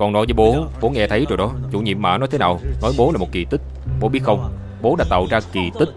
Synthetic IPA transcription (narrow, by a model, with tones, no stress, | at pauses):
kɔ˨˩nɔ˨˦jvəː˨˦jɓo˨˦ɓo˨˦ŋɛ˧t̪ʰə˨˦jt͡ɕo˨˩˨jɗɔ˨˦t͡ɕṵ˧˩ɲḭ˧˨əmːa̰ː˧˩nɔ˨˦jt̪ʰe˨˦naː˨˩wnɔ˨˦jɓo˨˦laː˨˩mo˨˩t̚ki˨˩t̪ï˦˥k̚ | ɓo˨˦ɓi˦˥t̚xə˧wŋ͡m | ɓo˨˦ɗaː˧˥t̪a̰ː˧˨wzaː˧ki˨˩t̪ï˦˥k̚